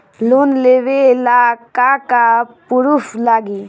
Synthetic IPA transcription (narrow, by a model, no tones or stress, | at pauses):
lonleʋelakakapuɾuslaɡi